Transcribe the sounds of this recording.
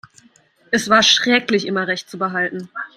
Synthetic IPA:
ʔɛsv̥aːɐʃʁ̥ɛːklɪçʔɪmɐʁɛçt̚t͡subəɦaltn̩

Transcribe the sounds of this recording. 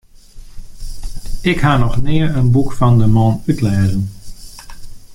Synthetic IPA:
ɪkhaːnɔχnɪːəɹənbukfɑndəmɔːnytlɛːzən

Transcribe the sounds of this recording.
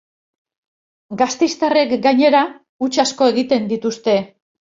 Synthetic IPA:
ɡast̪ejst̪are̞kɡaɲe̞ɾa | ut͡ʃasko̞e̞ɣ̞it̪e̞nd̪it̪ust̪e̞

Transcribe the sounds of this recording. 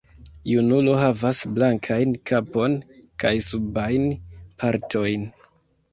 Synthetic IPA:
junulo̞ɦavasblaŋkʰajnkʰapo̞nkajsubajnpʰaɾtʰo̞jn

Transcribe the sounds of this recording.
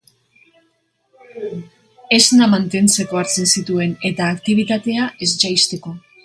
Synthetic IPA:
e̞znamant̪e̞nt͡se̞ko̞aɾt͡se̞nsit̪ue̞ne̞t̪aːkt̪iβ̞it̪at̪e̞aʔe̞zt͡ʃajst̪e̞ko̞

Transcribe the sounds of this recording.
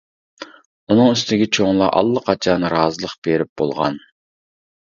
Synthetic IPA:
unɨŋyst̪ɪɡʲɪt͡ʃʰoŋlˠɑʔɑ̰lˠːəqʰɑt͡ʃʰɑnɾɑːzɨlˠəqb̥eɾɪp̚b̥o̰lˠʁɑ̰n

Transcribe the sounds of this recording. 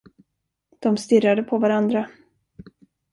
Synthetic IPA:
d̪̥ɔmst̪ɪrːad̪əpʰɔvaɾand̪ɾa

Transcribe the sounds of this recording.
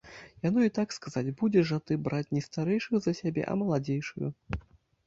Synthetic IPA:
janɔit̪akskazad͡zʲbud͡zʲɛʐat̪ɨbɾat͡sʲnʲɛst̪aɾɛjʂɨɣzɐsʲabʲɛ̰ʔɐ̰mɐlˠad͡zʲejʂɨjṵ

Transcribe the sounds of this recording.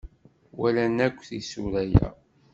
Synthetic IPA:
wælænækʷːθisuɾæjæ̰

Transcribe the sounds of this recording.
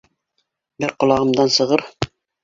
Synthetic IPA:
bɘɾqŏlˠɑʁɤ̆md̪ɑnsɤ̆ʁɤɾ

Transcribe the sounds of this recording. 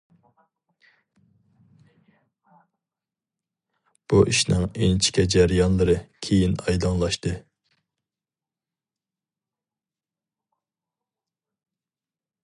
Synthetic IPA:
b̥uʔiʃnɪŋent͡ʃʰi̥kʲʰɛd͡ʒæɾjɑnlˠɨɾɨkʲʰejinɑjd̪ɑŋlˠɑʃt̪ɨ

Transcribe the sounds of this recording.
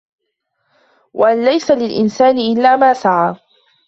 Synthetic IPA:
wʔaʔanlajsalɪlʔɪ̰nsaːnɪʔɪlːaːmaːsaʕaː

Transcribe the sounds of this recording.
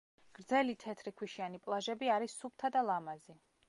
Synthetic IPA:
ɡ̥ɾd̪zɛlit̪ʰɛt̪ʰɾikʰwiʃianipʼlˠaʒɛbiaɾisːup̚ʰt̪ʰad̪alˠamazi

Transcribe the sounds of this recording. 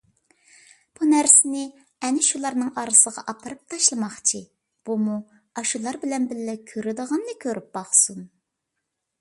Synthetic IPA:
b̥unæɾsɪnɪ | ɛnɪʃulˠɑɾnɨŋɑɾɨsəʁɑʔɑpʰɑɾɨp̚t̪ʰɑʃlˠəmɑχt͡ʃʰi | b̥umu | ɑʃulˠɑɾbɪlɛnbɪlːɛkʲʰøɾɪd̪əʁɑnd̪ɨkʲʰøɾyp̚b̥ɑχsun

